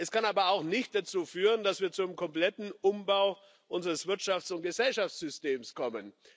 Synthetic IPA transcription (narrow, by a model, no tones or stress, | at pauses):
ʔɛskanaːbɐaʊxnɪçt̚d̥at͡suːfyːʁəndasv̥iːɐt͡suʊemkʰɔmplɛtn̩ʔʊmbaʊ | ʔʊnzəʁəsv̥ɪɐtʃaft͡sʊnt̚ɡ̥əzɛlʃaft͡ssz̥ʏsteːmskʰɔmən